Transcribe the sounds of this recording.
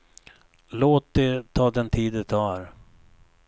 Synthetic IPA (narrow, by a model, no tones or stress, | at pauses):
loːt̪̚d̪ɛt̪ʰɑːd̪ɛnt̪ʰiːd̪ɛt̪ʰɑːɾ